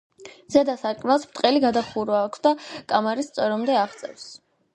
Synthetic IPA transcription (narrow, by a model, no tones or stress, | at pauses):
z̥ɛd̪asaɾkʼmalˠspt̪ʼqʼɛliɡad̪aχuɾaːkʷʰsd̪akʼamaɾist̪sʼɔɾɔmd̪ɛaʁt̪sʼɛ̰fs